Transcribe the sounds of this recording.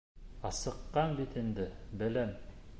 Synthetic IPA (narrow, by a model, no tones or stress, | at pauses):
ɑsɤ̆qːɑnbit̪ind̪ɘbɘ̆læm